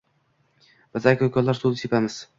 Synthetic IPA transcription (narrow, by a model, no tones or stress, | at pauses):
b̥ɪzakʲokʰʲɒllːaɾsulˠd̪ɪsepamɪz̥